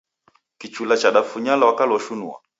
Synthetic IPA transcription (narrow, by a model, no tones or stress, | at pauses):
kit͡ʃulat͡ʃaɗafuɲalawakalɔʃunua̰